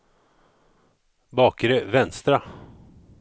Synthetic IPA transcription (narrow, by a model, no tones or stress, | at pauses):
bɑːkəɾəvɛnst̪ɾa